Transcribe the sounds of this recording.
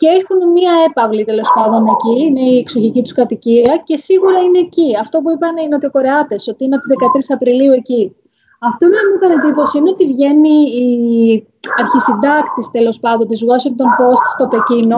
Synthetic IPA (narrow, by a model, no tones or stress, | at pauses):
ceexunmiɐe̞pɐvlit̪e̞lo̞spɐnd̪o̞ne̞ciine̞ieksoçicit̪u̥skɐt̪iciɐce̞siɣuɾɐine̞ːciɐft̪o̞p̬uipɐneineo̞t̪io̞ko̞ɾeɐt̪e̞so̞t̪iinɐpt̪izðekɐt̪ɾisɐpɾiliue̞ci | ɐft̪onnɐmukɐned̪ipo̞siine̞o̞t̪ivʝe̞niː | ɐɾçisind̪ɐkt̪ist̪e̞lo̞spɐnd̪o̞nt̪izuɐsont̪o̞npo̞st̪st̪o̞pe̞cino̞